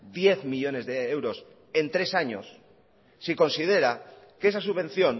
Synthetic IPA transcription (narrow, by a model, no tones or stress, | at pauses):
d̪je̞θmiʎo̞ne̞zðee̞wɾo̞s | e̞nt̪ɾe̞saɲo̰sː | iko̞nsið̞e̞ɾa | kesasuββẽ̞n̟θjo̞n